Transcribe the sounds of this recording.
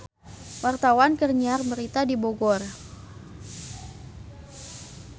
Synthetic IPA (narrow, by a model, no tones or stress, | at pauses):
wart̪awankərɲarməɾit̪adiboɡɔr